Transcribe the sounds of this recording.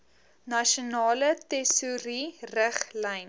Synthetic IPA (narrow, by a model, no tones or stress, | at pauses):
nɐʃionɑːlətɛsuɾirəχlɛjn